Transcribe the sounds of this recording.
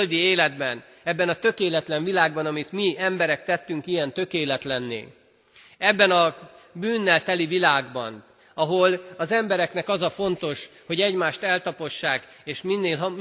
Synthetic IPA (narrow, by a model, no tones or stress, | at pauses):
ld̪ieːlɛd̪bɛn | ɛbːɛnɒt̪ø̞keːlɛt̪lɛɱvilaːɡ̚bɒnɒmit̪miɛmbɛɾɛkt̪ɛt̪ːyŋkijɛnt̪ø̞keːlɛt̪lɛnːḛː | ɛbːɛnɒ | byːnːɛlt̪ɛlivilaːɡbɒ̰n | ɒɦo̞lɒzɛmbɛɾɛknɛkɒzɒfo̞nt̪o̞ʃho̞ɟɛɟmaːʃt̪ɛlt̪ɒpo̞ʃːaːkeːʃminːeːlɦ